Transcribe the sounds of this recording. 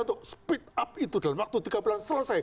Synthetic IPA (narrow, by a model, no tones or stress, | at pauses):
nt̪ʊʔspit̪̚ap̚it̪ud̥aləmwak̚t̪ut̪iɡabulansələsaj